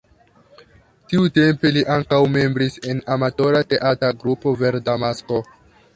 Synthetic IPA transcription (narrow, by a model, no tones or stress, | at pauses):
tiute̞mpe̞liʔaŋkawme̞mbɾise̞namato̞ɾate̞ʔataɡɾupo̞ve̞ɾdamasko̞